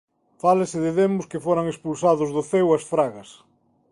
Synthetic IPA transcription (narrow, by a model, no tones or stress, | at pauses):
falɪsɪðɪðemʊskɪfoɾaŋespulsaðʊzðʊθewɐsfɾaɣɐs